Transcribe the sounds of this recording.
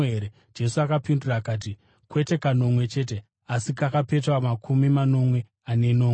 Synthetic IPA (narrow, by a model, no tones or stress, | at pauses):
eɾe | d͡ʒe̞suakapinduraːkaːt̬i | kwe̞te̞kano̞mwe̞t͡ʃe̞ːt̬e̞ | asikakape̞twamakʰumimano̞mwe̞ | ane̞no̞ːe